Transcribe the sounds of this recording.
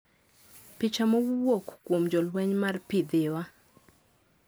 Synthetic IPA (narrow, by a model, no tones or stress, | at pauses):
pɪt͡ʃamɔwwokkːwomd͡ʒɔlwɛɲmarpɪd̪ɪwa